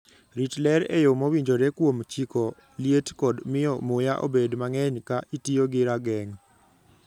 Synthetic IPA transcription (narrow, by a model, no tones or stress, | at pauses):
ɾitlɛɾɛ̰jomowiɲd͡ʒoɾekwomt͡ʃikɔ | lietkɔdmɪjɔmojaʔo̰bedmaŋɛɲkaʔitioɡɪɾaɡɛŋ